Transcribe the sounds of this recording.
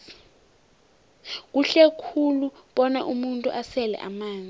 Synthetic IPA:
k̬uɬekʰuluɓɔnaʔumuntʼuʔasɛlɛ̰ʔa̰maːnd͡zʱʼi

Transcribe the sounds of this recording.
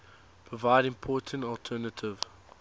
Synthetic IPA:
pʰɹ̥ɔvaɪdɪ̃mpʰɔːˑtʰə̃ntɔlˠtʰɜːnətʰɪv

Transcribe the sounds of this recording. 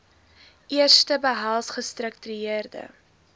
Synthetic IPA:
ʔiərstəbəɦælˠsχəstrək̚tyyiərdə̰

